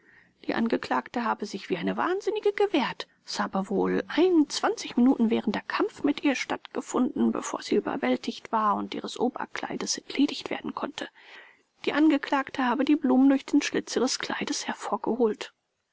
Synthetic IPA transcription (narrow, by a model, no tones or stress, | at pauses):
d̥ḭːʔa̰nɡəkl̥aːktəɦaːbəzɪçv̥iːʔaɪnəva̰ːnzɪnɪɡəɡəvɛːɐt | shaːbəvoːlʔaɪnʊnt͡sv̥ant͡sɪçminuːtn̩vɛːʁ̞əndɐɐkʰamfmɪtʔiːɐʃtatɡ̥əfʊndn̩bə̰fo̰ːɐz̥iʔyːbɐ̰vɛltʰɪçtv̥aːɐʊntʔḭːʁəsʔoːbɐ̰kl̥a̰ɪdəsɛtʰleːdɪçtv̥ḛɐdn̩kʰɔntʰə | d̥iːʔanɡəkl̥aːktəhaːbədiːbluːməndʊɐçd̥eːnʃlɪt͡siːʁəskl̥a̰ɪdəshɛɐfoːɐɡ̥əhoːlt